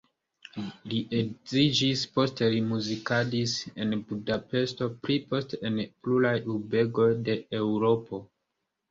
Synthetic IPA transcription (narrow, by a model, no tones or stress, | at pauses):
liʔe̞ɡzid͡ʒispo̞ste̞limuzikadise̞nbudape̞sto̞pɾipo̞steenplulajube̞ɡo̞jde̞ewuɾo̞po̞